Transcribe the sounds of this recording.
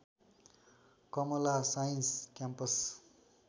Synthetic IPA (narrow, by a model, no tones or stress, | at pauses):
kʌmʌlasajinskjampʌs